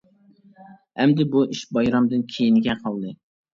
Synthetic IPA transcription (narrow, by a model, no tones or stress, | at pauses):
hɛmd̪ɪbuiʃbɑjɾɑmd̪ɨnkʲʰejinɡʲɛqʰɑlˠd̪ɨ